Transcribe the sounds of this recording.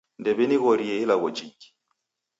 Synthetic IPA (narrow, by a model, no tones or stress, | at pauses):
ndɛβɛniɣɔɾieilaɣɔd͡ʒiki̥